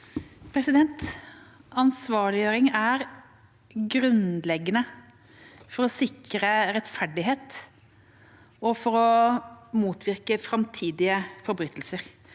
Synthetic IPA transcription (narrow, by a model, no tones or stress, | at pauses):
pʰɾɛsɪd̪ɛnt̪ | ɑnsʋɑːɭɪøːɾɪŋæɾ | ɡɾʉnlɛɡːənə | fɔɾɔsɪkɾəɾɛt̪fæɖɪɦeːt̪ | ɔfɔɾɔ | muːt̪ʰʋɪɾkəfɾɑmt̪ʰiːd̪ɪəfɔɾbɾyːt̪ʰːəlsəɾ